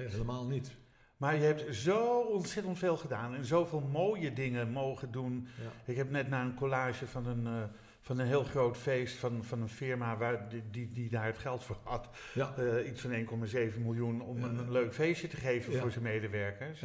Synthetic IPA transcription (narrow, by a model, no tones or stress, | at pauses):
eləmaːlˠnit | maːɹjəɦɛp̚tzowɔnsɛtəntfeːlˠχədaːnɛnzowvɪːlˠmoːwjədɪŋənmowχəndunɪkɦɛpnɛtnaːənkolaːʒəvɑnən | fɑnənɦɪːlˠχrowtfejstfɑnfɑnənfɪɹmaʋadididaːɹətχɛlˠtfʊːɹɑt | itsfɑneːnkɔmazejvənmɪlˠjunɔmənnløɥkfejsjətəχejvənvʊːɹzənmejdəʋɛɹkəɹs